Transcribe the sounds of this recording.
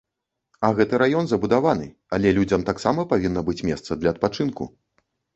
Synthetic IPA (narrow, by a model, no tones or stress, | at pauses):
ɐɣɛt̪ɨɾajɔnzɐbud̪avanɨ | alʲɛlʲud͡zʲɐmt̪aksamɐpavʲinːɐbɨt͡sʲmʲɛst̪sɐd̪lʲɐɐt̪̚pat͡ʂɨnkṵ